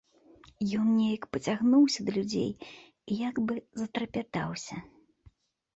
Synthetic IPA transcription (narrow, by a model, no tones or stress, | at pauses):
jɔnnʲejɐkpɐt͡sʲaɣnuwsʲɐd̪ɐlʲud͡zʲḛj | ijaɡbɨzɐt̪ɾɐpʲat̪awsʲɐ